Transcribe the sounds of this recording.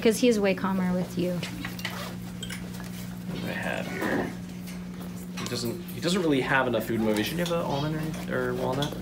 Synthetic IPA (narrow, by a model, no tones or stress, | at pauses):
kʰʌz̥hiɨzəweɪkʰɑmə˞wɪðjʉ | a̰ɪɨ̰v̥hḭɹ | hidʌz̃n̩t̚hidʌz̃n̩t̚ɹɪlˠiəvənʌfːʉd̚moʊveɪʃɨ̃njɨbəõ̰lˠmə̃nəĩə˞wã̰nðæt̚